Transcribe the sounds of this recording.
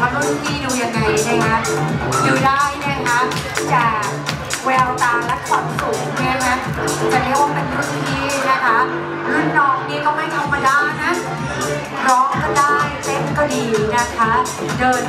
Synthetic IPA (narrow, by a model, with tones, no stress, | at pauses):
a˧nu˦˥t̪̚t̪ʰiː˥˩duː˧ja˧ŋːa˧jna˥˩ka˦˥duː˨˩daː˥˩jna˦˥˩kʰa˦˥ | t͡ɕaː˨˩ | wɛː˧wt̪aː˨˩ŋlɛ˦˥kʰɔ˨˩nsu˨˩k̚ŋi˦˥˨ma˦˥ | ta˧nɛ˦˥waː˥˩pe˧n˧ɾu˦˥t̪̚tʰiː˥˩na˥˩kʰa˦˥ | nɯ˦˥nɔː˥˩k̚niː˦˥kɔː˥˩ma˥˩jkʰa˧wmaː˧daː˥˩jna˦˥ʔ | ɾɔː˦˥ŋkɔː˥˩daː˥˩jt̪e˥˩mkɔ˥˩diː˧na˦˥˩kʰa˦˥ | dɤː˧n